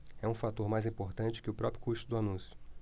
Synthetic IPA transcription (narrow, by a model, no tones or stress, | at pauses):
ɛũfat̪oɾmajzĩpoɾt̪ɐ̃t͡ʃɪ̥kɪʊpɾɔpɾjʊkuʃt̪ʊd̪ʊanũsjʊ̥